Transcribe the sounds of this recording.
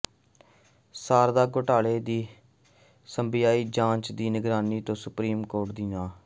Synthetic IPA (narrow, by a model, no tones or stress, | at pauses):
saːɾd̪aːɡoʈaːɭeːd̪iː | səmbɪjaːiːd͡ʒãːt͡ʃd̪iːnɪɡɾaːniːt̪õːsʊpɾiːmkoːɾʈd̪iːnaː